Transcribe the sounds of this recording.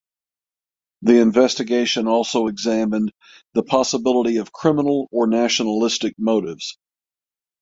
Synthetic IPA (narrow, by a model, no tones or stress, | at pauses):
ðiɨ̃ɱvɛstɨɡeɪʃɨ̃nɔlˠsoʊɨɡzæ̃mɨ̃n | ðəpʰɑsəbɪlˠəɾiʌv̥kʰɹ̥ɪ̃mənl̩ˠə˞næʃnlɪstɨk̚moʊɾɪvz̥